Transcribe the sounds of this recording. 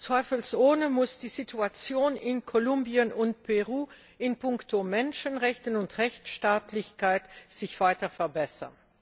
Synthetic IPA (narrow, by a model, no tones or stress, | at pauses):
t͡sv̥aɪfəlsʔoːnəmʊsd̥iːzitʰuat͡sjoːnɪnkʰolʊmbiənʊnt̚pʰɛʁuː | ɪnpʊŋktʰomɛnʃənʁɛçtənʊntʁɛçt͡sʃtaːtʰlɪçkʰaɪtz̥ɪçv̥aɪtɐfɛɐbɛsɐ̰n